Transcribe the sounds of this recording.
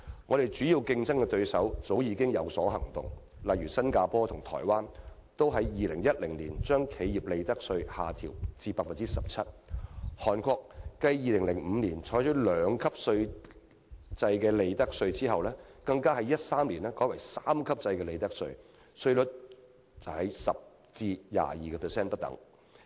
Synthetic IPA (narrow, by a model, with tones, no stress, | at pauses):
ŋɔ˨˧ɾe˨jt͡syː˨˥jiː˨˧wkɪ˧ŋt͡sɐ˥ŋkɛ˧t̪ɵ˧ɥsɐ˨˥wt͡so˨˥wjiː˨˧kɪ˥ŋjɐ˨˧wsɔː˨˥ɦɐ̰˨˩ŋt̪ʊ̰˨ŋ | lɐ˨jɥyː˨˩sɐ˥nkaː˧pɔː˥t̪ʰʊ˨˩ŋt̪ʰɔ̰ː˨˩jwaː˥n | t̪o˥wɦɐ˨˥jːiː˨lɪ˨˩ŋjɐ˥t̚lɪ˨˩ŋliː˨˩nt͡ʃœː˥ŋkʰe˨˧jji˨p̚le˨˧jt̪ɐ˥k̚sɵ˧ɥha̰ː˨t̪ʰḭː˨˩wt͡siː˧paː˧k̚fɐ˨nt͡siː˥sɐ˨p̚t͡sʰɐ˥t̚hɔː˨˩nkʰʷɔː˧k̚ːɐ˧jːiː˨˧lɪ˨˩ŋlɪ˨˩ŋm̩˨˧niː˨˩nt͡ʃʰɔː˨˥jt͡ʃʰɵ˨˥lœː˨˧ŋkʰɐ˥p̚sɵ˧ɥ | t͡sɐ˧jkɛː˧le˨˧jt̪ɐ˥k̚sɵ˧ɥt͡siː˥hɐ˨wlɛː˥kɐ˧ŋkaː˥hɐ˨˥jɐ˥t̚saː˥mliː˨˩nɛː˥kɔː˨˥jwɐ˨˩jsaː˥mkʰɐ˥p̚t͡sɐ˧jkɛː˧le˨˧jt̪ɐ˥k̚sɵ˧ɥ | sɵ˥˧ɥlʊ˨˥t̚ | t͡sɐ˨˩whɐ˨˥jsɐ˨p̚ | t͡siː˧ja̰ː˨jiː˨kɛː˧pʰɛː˨˩sɛː˥npɐ˥t̚t̪ɐ̰˨˥ŋ